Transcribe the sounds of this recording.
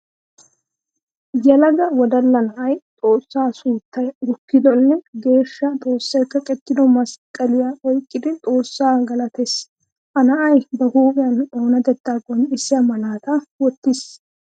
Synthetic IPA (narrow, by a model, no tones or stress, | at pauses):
jɐlɐɡɐwɔd̪ɐlːɐnɐʔɐjt̪ʼo̞ːsːaːsuːt̪ːɐjɾʊkːɪd̪ɔnːɛɡe̞ːʃːɐt̪ʼo̞ːsːɐjkːɐkʼɛt̪ːɪd̪ɔmɐskʼɐlɪjaʔɔjkʼːɪd̪ɪt̪ʼo̞ːsːaːɡɐlɐt̪ɛs | ʔɐnɐʔɐjbɐhuːbɪjɐno̞ːnɐd̪ɛt̪ːaːɡɔnɪsːɪɐmɐnaːt̪ɐwɔt̪ːɪs